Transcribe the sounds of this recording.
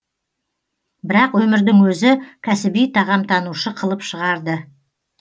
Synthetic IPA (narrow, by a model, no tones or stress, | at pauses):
bɪɾɑqwɵmɪɾd̪ɪŋwɵzɪkʲʰæsɪbijt̪ʰɑʁɑmt̪ʰɑnuʃəqʰəlˠəpʃəʁɑɾd̪ə